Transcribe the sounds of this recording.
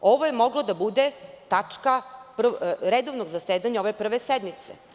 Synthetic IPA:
o̞ʋojemoɡlˠod̪abud̪et̪at͡ʂkapr̩ɾed̪oʋnoɡzaseːd̪aɲaoʋe̞pr̩ʋesɛd̪mit̪sḛ

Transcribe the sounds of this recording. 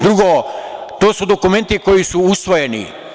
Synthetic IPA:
d̪ɾuɡoːt̪o̞ːsud̪okume̞nt̪iko̞jisuusʋojenḭ

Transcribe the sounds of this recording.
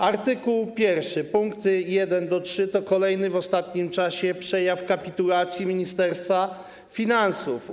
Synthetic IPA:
aɾt̪ɘkuwpʲjɛɾfʂɘpuŋkt̪jɛd̪ɛnd̪ɔtʂɘt̪ɔkɔlɛjnɘvɔst̪at̪ɲimt͡ʂaɕɛpʂɛjafkapʲit̪ulat̪sʲjimʲiɲist̪ɛɾst̪fa | fʲinansuf

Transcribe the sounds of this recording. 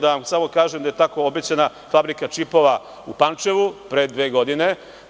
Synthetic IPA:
d̪aʋamsamo̞kaːʒemd̪aje̞t̪ako̞obet͡ɕana | fabɾikat͡ʃipo̞ʋa | upant͡ʃe̞ʋupɾeːd̪ʋe̞ːɡo̞d̪ine̞

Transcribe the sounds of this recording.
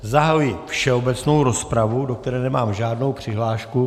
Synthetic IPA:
zaɦajujɪfʃɛo̞bɛt͡sno̞wɾo̞spɾavudok̚t̪ɛɾɛːnɛmaːmʒaːdno̞wpr̝̥ɪɦlaːʃku

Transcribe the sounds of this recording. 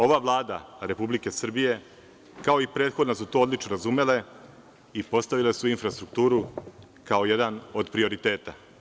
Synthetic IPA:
o̞ʋaʋlˠaːd̪aɾe̞publike̞sr̩bije̞ | kao̞ipɾe̞ːt̪xo̞d̪nasut̪o̞od̪lit͡ʃno̞ɾazume̞le̞ | ipo̞st̪aʋile̞suinfɾast̪ɾuk̚t̪uːɾu | kao̞je̞d̪ano̞d̪pɾio̞ɾit̪e̞ːt̪a

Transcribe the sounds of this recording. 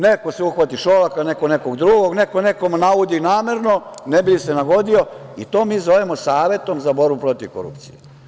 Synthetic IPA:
neko̞seuxʋat̪iʃolakanekonekoɡd̪ɾuɡo̞ɡnekone̞komnaud̪inaːme̞ɾnonebilisenaɡo̞d̪io̞ḭt̪o̞ːmiːzo̞ʋemosaːʋje̞t̪o̞mzabo̞ɾbupɾo̞t̪iʋko̰ɾṵpt̪sḭje

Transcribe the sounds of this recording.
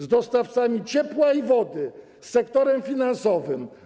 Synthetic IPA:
zd̪ɔst̪aft̪samʲit͡ɕɛpwaivɔd̪ɘ | sːɛkt̪ɔɾɛmfʲinansɔvɘm

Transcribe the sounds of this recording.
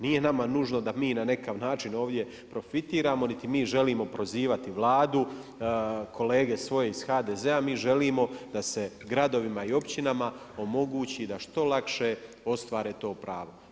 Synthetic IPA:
nije̞namanuʒno̞d̪amiːnane̞kaʋnaːt͡ʃino̞ːʋd̪je̞ | pɾo̞fit̪iːɾaːmo̞nit̪imiːʒe̞liːmo̞pɾo̞ziːʋat̪iʋlˠaːd̪u | kʰo̞le̞ːɡe̞sʋo̞je̞iz̥xaːd̪e̞zeamiːʒe̞liːmo̞d̪ase̞ | ɡɾad̪o̞ʋimaio̞pt͡ɕinama | o̞mo̞ɡuːt͡ɕid̪aʃt̪o̞lakʃe̞ | o̞st̪ʋaːɾeːt̪o̞ːpɾaːʋo̞

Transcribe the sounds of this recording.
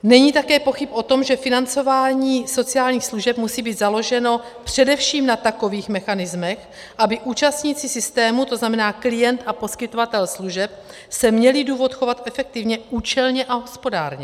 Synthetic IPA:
nɛɲiːt̪akɛːpo̞xɪpʔo̞t̪o̞mʒɛfɪnant͡so̞vaːɲiːso̞t͡siaːlɲiːxsluʒɛpmusiːbiːd̪zalo̞ʒɛno̞ | pr̝̥ɛdɛfʃiːmnat̪ako̞viːxmɛxanɪzmɛx | ʔabɪʔuːt͡ʃast̪ɲiːt͡sɪsɪst̪ɛːmut̪o̞znamɛnaːklɪjɛnt̪ʔapo̞skɪt̪ovat̪ɛlsluʒɛp̚ | sɛmɲɛlɪduːvo̞t̪xo̞vat̪ʔɛfɛk̚t̪ɪvɲɛʔuːt͡ʃɛlɲɛʔaɦo̞spo̞daːɾɲɛ

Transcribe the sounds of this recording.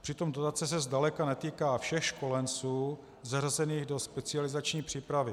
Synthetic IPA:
pr̥ɪt̪o̞mdot̪at͡sɛs̬ɛzdalɛkanɛt̪iːkaːfʃɛxʃko̞lɛnt͡suː | zarazɛniːɣdo̞spɛt͡sɪalɪzat͡ʃɲiːpr̝̥iːpɾavɪ

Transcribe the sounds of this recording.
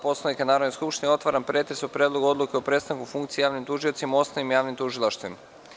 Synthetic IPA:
po̞slonikanaːɾod̪neskupʃt̪inijo̞t̪ʋaɾanpɾe̞t̪ɾesupɾe̞ːd̪lˠo̞ɡuo̞d̪lˠukeopɾe̞t̪st̪aŋkufuŋkt̪sijejaːʋnimt̪uʒio̞t̪simao̞snaʋimjaːʋnimt̪uʒilˠaʃt̪vʋima

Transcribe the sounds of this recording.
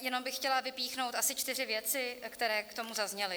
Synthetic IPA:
jɛno̞mbɪxːcɛlavɪpiːxnowt̪ʔasɪt͡ʃt̪ɪr̝ɪvjɛt͡sɪkt̪ɛɾɛːkt̪o̞muzazɲɛlɪ

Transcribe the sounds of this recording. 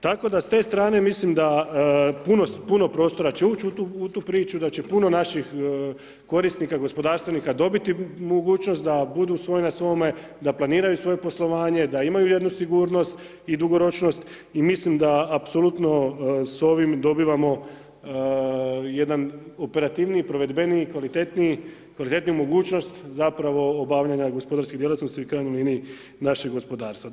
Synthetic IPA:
t̪ako̞d̪ast̪e̞ːst̪ɾaːne̞mislimd̪a | puno̞puno̞pɾo̞ːst̪o̞ɾat͡ɕe̞uːt͡ʃut̪uut̪uːpɾiːt͡ʃud̪at͡ɕe̞puno̞naʃix | ko̞ɾist̪nikaɡo̞spo̞d̪aːɾst̪ʋe̞nikad̪o̞bit̪imoɡuːt͡ʃno̞st̪d̪abud̪usʋo̞jnasʋo̞me | d̪aplˠaniːɾajusʋo̞jepo̞slˠo̞ʋaːɲe̞d̪aimajuje̞d̪nusiɡuːɾno̞st̪ | id̪uɡo̞ɾo̞t͡ʃno̞st̪ | imislimd̪aːpsolut̪no̞so̞ʋimd̪o̞biʋamo̞ | je̞d̪anope̞ɾat̪iːʋniipɾo̞ʋe̞d̪be̞nikʋalit̪et̪nikʋalit̪e̞t̪nijumo̞ɡuːt͡ʃno̞st̪zapɾaʋo̞ːbaːʋʎaɲaɡospo̞d̪aɾskid̪jelat̪nost̪iikɾaːjnuliniː | naʃeɡo̞spo̞d̪aːɾst̪ʋa

